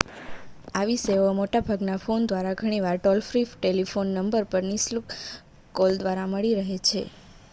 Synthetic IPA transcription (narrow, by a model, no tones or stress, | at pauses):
aʋiseʋomoʈabʱaɡnafond̪ʋaɾaɡʱəɽ̃iʋaɾʈɔlfɾifʈelifonːəmbəɾpəɾnislukː | old̪ʋaɾaməɭiɾəɦet͡ʃʰḛ